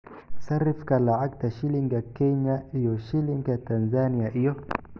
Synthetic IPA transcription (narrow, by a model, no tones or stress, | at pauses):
saɾifkalaʕak̚taʃiliŋɡakɛɲaijɔʃiliŋɡatanzaniaʔijɔ